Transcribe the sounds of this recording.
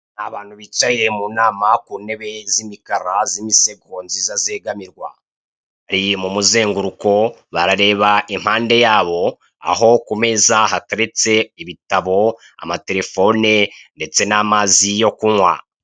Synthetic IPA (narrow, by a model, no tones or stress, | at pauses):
naβaːn̥huβit͡ʃaje̞muːnaːmakuːne̞βe̞zimikaɾazimise̞ɡoːnzizaze̞ːɡamiɾɡwa̰ | haɾimumuzeːŋɡuɾuko̞βaɾaɾe̞ːβaim̥haːnde̞jaːβo̞ | a̰ɦo̞kume̞zaɦataɾet͡se̞iβitaβo̞ | a̰mate̞ɾe̞fo̞nende̞t͡se̞namaːzijo̞kuŋwa̰